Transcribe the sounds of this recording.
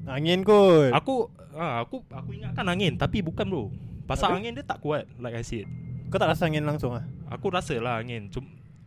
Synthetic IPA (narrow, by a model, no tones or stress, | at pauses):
aŋɪnkuaku | aakuakuiŋaʔkanaŋɪnt̪apibukanlopasaaŋɪndiət̪aʔkuat̪̚lajkajsɛt̚akut̪aʔɾasəaŋɪnlaŋsʊŋlaha̰kuɾasəlahaŋɪnt͡ʃum